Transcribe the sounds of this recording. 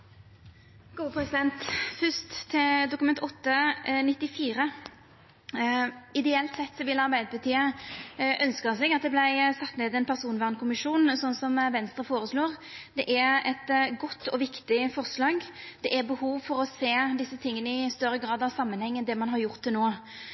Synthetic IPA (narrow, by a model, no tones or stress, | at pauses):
ɡ̥uːəpʰɾɛsɪd̪ɛnt̪fʏst̪ʰːɪd̪ʊkmɛnt̪ɔt̪ːənɪt̪ːɪfiːɾə | ɪd̪ɛɛlt̪sɛt̪ːsɔʋɪlɑɾbæɪd̪əpʰɑt̪ʰiːə | ʔœnskəʁsɛɡɑt̪̚d̪ɛblæɪsɑt̪ːneːd̪ɛnpʰæʁsuːnʋæːʁnkʰʊmɪʂuːnsɔnːsɔmʋɛnst̪ɾəfoːɾəsloːʁd̪ɛʔæɾɛt̪ɡɔt̪ːɔʋɪkt̪ɪfɔʁslɑːɡd̪̥ɛʔæɾbəhuːʋfɔɾɔseːd̪ɪsːət̪ʰɪŋːənəɪst̪œɾːəɡɾɑːd̪ɑʋsɑmːənhɛŋːənd̪ɛmɑnɦɑɾjʊʁt̪̚ɛnoː